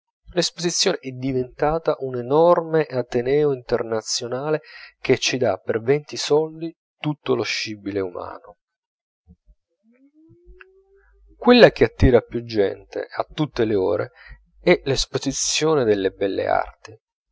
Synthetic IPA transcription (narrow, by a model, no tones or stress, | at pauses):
lespozit̪sːjoːneʔɛd̪ivent̪aːt̪aʔunenɔrmeʔat̪enɛːoint̪ernat̪sːjonaːlek̟et͡ʃːid̪apːervɛnt̪isɔld̪i | t̪ut̪ːoloʃːibileuma̰ːno | kwelːak̟eat̪ːiːɾapːjud͡ʒːɛ̰nt̪ḛat̪ːut̪ːeleo̰ːɾḛ | ɛlespozit̪sːjoːned̪elːebɛlːḛa̰rt̪i